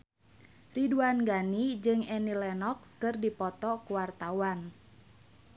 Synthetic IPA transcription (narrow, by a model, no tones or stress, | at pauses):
riduanɡanid͡ʒɨŋɛnilɛnɔkskɨrdipɔt̪ɔkuwart̪awan